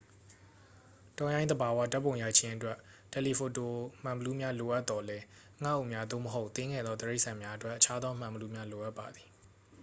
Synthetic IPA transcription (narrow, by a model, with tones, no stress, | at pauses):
tɔ̃˨jã˦ɪ̃nd̪əba˨wa˦˨ta˦pːõ˨ja˨t͡ɕʰɪ̃˦ʔətwɛ˦ʔtɛ˨li˨pʰo˨to˨m̥ã˨mbə˨lu˦mja˦lo˨ʔa˦t̪ːɔ˨lɛ˦ | ŋa˦ʔo˦˨ʔmja˦d̪o̰˦˨məɦo˦ʊʔt̪ɪ̃˦ŋɡɛ̰˦˨d̪ɔ˦d̪əɹe˦ɪʔsã˨mja˦ʔətwɛ˦ʔːət͡ɕʰa˦d̪ɔ˦m̥ã˨məlu˦mja˦lo˨ʔa˦pːa˨d̪ði̥˨